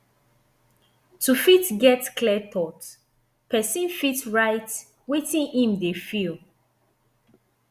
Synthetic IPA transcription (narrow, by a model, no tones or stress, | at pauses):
tufitɡɛtklɛtʰɔt | pʰɛsĩnfitɹaɪt | wetĩnĩmdefil